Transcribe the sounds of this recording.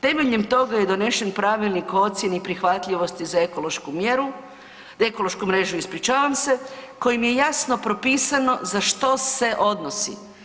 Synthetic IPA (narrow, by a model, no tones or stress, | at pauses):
t̪e̞meʎemt̪o̞ɡajed̪o̞ne̞ʃe̞npɾaʋilˠniko̞t̪sjenipɾixʋat̪ʎʲiʋo̞st̪izaekoloʃkumjeɾu | e̞kolˠo̞ʃkumɾe̞ːʒuispɾit͡ʃaːʋamse̞ko̞jimje̞jasno̞pɾo̞piːsano̞zaʃt̪o̞se̞ʔo̞d̪nosḭ